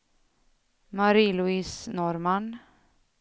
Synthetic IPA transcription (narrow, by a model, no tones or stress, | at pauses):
maɾiːlʊiːsnɔɾman